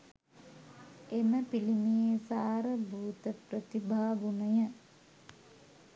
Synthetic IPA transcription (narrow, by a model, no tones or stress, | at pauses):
eməpilimijeːsaːɾəbʱuːt̪əprət̪ibʱaːʋunəjə